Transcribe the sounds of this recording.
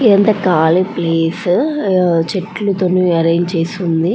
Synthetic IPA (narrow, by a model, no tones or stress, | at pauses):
ent̪ɐkaːlepleːs | t͡ʃeʈːlut̪onuɐɾɐjnt͡ʃeːsund̪i